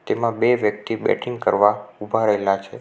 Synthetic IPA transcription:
t̪emãbeʋjək̚t̪ibɛ̰ʈʰiŋɡkəɾʋaubʱaɾəɦelat͡ʃʰe

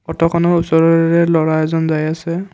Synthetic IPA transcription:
ɔtɔkʰɔnɔɹusɔɹɔɹɛlɔɹaɛzɔnzajasɛ

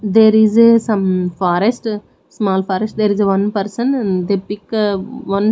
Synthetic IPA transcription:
d̪eːɾizsɐ̃mfɔːɾɛsʈ | smaːlfɔːɾəsʈ̚d̪eɾizʋɐ̃npɐɾsə̃nd̪epɪkʋʌ̃n

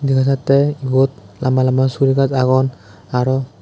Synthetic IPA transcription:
dikʰas̬atːɛibɔt̚lamalamasuɾikazaɡɔn | aɹɔ

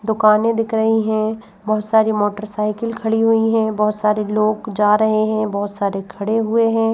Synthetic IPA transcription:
d̪ʊkaːnẽd̪ɪkʰɾɐɦiɦɛ̃ | bɐɦʊt̪saːɾimoːʈəɾsaːɪkəlkʰɐɽiɦʊiɦɛ̃bɐɦʊt̪saːɾiloːɡd͡ʒaːɾɐɦeɦɛ̃bɐɦʊt̪saːɾekʰɐɽeɦʊeɦɛ̃ː

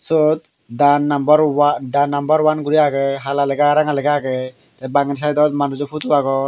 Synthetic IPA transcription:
sɔt̪̚ | danːambɔɾwadanːambaɾwanɡuɾiaɡɯɦalalɛɡaɾaŋalɛɡaaɡɯ | tɛbaŋɛns̬ajdɔt̪manuzɔpʰutuaɡɔ

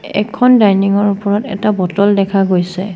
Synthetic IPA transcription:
ɛ̰kʰɔndajniŋɔɹupɔɹɔtɛ̰tabɔtɔldɛkʰaɡojsɛ

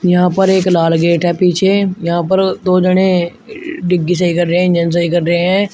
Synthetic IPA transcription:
jɐɦãːpəɾeːklaːlɡeːʈɦɛpiːt͡ʃʰejɐɦãːpəɾd̪oːd͡ʒəɽ̃ẽ | ɖɪɡːis̬ɐikəɾːɦɛ̃ɪ̃nd͡ʒəns̬əikəɾːəɦeɦɛ̃ː

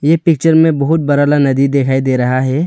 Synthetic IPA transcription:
jepɪk̚t͡ʃəɾmẽbɐɦʊt̪̚bɐɾalanɐd̪id̪ekʰaːid̪eːɾɐɦaɦɛː

